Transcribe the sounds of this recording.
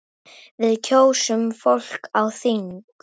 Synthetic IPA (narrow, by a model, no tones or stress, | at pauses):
vɪðcʰoːwsʏmfowl̥kawθiŋk